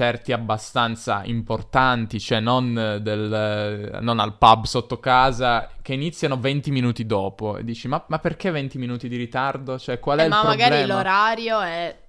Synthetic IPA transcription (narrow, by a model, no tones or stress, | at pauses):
t͡ʃɛrt̪iabːast̪ant̪sa̰ḭmport̪ant̪it͡ʃoɛnːond̪elː | ona̰lpabsot̪ːokaːzak̟einit̪sːjanovent̪iminuːt̪id̪ɔːpoḛd̪ːiːt͡ʃimamapːerk̟event̪iminuːt̪id̪iɾit̪ard̪ot͡ʃoɛkːwalɛilapːmoaɡalɛloɾaɾjoɛ